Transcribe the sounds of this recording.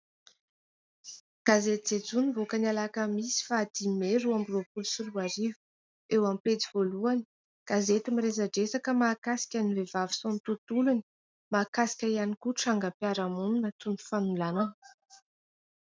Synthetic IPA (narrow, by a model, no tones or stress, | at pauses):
ɡ̥azet̪id͡zed͡zunivokənalakəmisi̥fad̪̥imeɾuambropulusuluaɾivu̥ | ewampet͡sivoluani̥ | ɡ̥azet̪imirezaɖ͡ʐesakəmakasi̥kʲanivevavi̥sonit̪ut̪uluni̥ | makasi̥kʲaianikuʈ͡ʂaŋɡəpiaɾamuninat̪unu̥fanulanə